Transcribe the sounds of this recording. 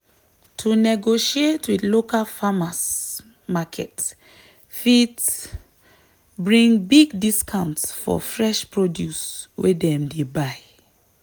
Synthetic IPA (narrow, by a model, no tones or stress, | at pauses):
tʰunɛɡoʃietʰwidlokalfamas | makʰɛt | fit | bɹĩŋbiɡdiskʰãʊ̃ntsfɔ̰fɹɛʃpɹodjuswedɛ̃mdebaj